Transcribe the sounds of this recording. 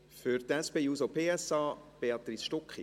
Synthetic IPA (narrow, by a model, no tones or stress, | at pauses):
fʏɾt̪ɛspeːjuːsopʰeːɛsɑːb̥eɑt̪ɾisʃtɔkχi